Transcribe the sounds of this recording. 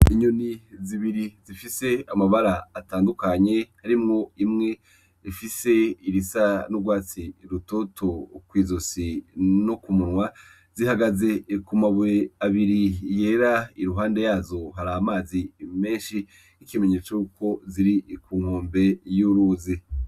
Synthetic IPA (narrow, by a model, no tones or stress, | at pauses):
iɲuniziβiɾizifise̞amaβaɾaːtaːndukaɲe̞haɾimŋo̞imŋe̞ | ifise̞iɾisanuɡwaːt͡siɾuto̞tʰokwiːzosinokumunwa | z̥ihaɡaze̞kumaβuɾeaβiɾije̞ːɾaiɾuɦaːnde̞jaːzo̞ɦaɾaːmaːzime̞ːʃi | ikime̞ɲe̞ːt͡sojukʰo̞ziɾikuːŋ̥hoːmbe̞juɾuːzi